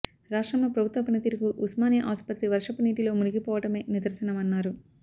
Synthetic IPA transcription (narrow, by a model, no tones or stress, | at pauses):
ɾaːʂʈɾɐmɐpɾɐbʱut̪ʋɐpɐnɐt̪iːɾukuʔusmaːnijɐʔaːspɐt̪ɾiʋɐɾʂɐpɐniːʈilo̞ːmuniɡipɔːʋɐʈɐme̞ːnid̪ɐɾsɐnɐmɐnːaːɾu